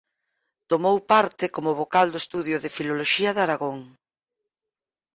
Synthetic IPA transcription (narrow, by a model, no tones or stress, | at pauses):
t̪omowpaɾt̪ɪkomʊβokald̪oest̪uðjʊðɪfiloloʃiɐðaɾaɣoŋ